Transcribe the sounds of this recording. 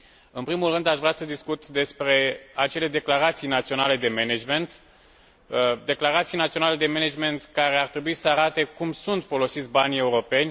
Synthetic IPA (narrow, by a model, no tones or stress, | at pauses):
ɨnpɾimulrɨnd̪aʃvɾʲeasəd̪iskut̪d̪e̞spɾe̞at͡ʃe̞le̞d̪e̞klaɾat̪sijnat̪sio̞nale̞d̪e̞me̞ned͡ʒme̞nt̪ | d̪e̞klaɾat̪sijnat̪sio̞nale̞d̪e̞me̞ned͡ʒme̞nt̪kaɾe̞art̪ɾe̞buisəaɾat̪e̞kumsunt̪fo̞lo̞sit̪sʲbanʲe̞uɾo̞pe̞nʲ